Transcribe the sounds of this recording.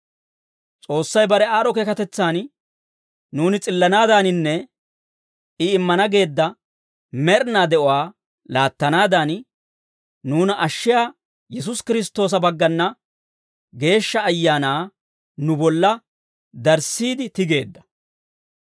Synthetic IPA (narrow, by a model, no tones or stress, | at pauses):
t͡sʼo̞ːsːɐjbɐɾɛaːɾɔkeːkɐt̪ɛt͡sːaːn | nuːnɪt͡sʼɪlːɐnaːd̪aːnɪnːɛ | ɪɪmːɐnɐɡe̞ːd̪ːɐ | mɛɾnaːd̪ɛʔɔwaː | laːt̪ːɐnaːd̪an | nuːnʔɐʃːɪjaː | jɛs̬ʊskɪɾɪs̬t̪ːo̞ːs̬ɐbɐɡːɐnːɐ | ɡe̞ːʃːɐːjːaːnaː | nʊbɔlːɐ | d̪ɐɾsiːd̪ɪt̪ɪɡe̞ːd̪ːɐ̥